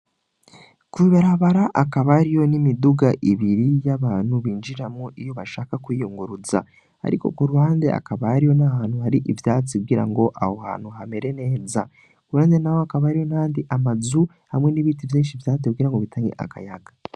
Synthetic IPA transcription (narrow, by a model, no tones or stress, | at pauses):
kuiβaɾaβaɾaʔakaβaɾijo̞nimiduɡaʔiβiɾijaβaːn̥huβiːnd͡ʒiɾamŋoʔijo̞βaʃaːkakwijuŋɡuɾuza̰ | a̰ɾiko̞̰kuɾuhaːnde̞a̰kaβahaɾijo̞nahaːn̥huhaɾiʔivjaːt͡siɡiɾa̰ŋɡo̞ʔa̰hoha̰ːn̥huɦame̞ɾe̞ne̞ːza̰ | kuɾuhaːnde̞nahoakaβahaɾijo̞naaːndiʔamazu | hamŋe̞niβiːtivjiːnʃivjaːt͡siɡiɾaŋɡo̞βitʰaːŋɡḛʔa̰ka̰jaɡa